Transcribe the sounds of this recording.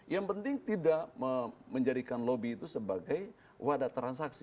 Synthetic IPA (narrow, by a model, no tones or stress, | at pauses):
jaŋpənt̪ɪŋt̪idaʔəməɲd͡ʒadikanlobiːt̪usəbaɡaj | wadat̪ɾansaksi